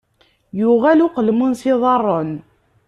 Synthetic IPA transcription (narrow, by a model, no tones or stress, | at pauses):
jʊʁælʊqəlmənsiðˤɑrˤːən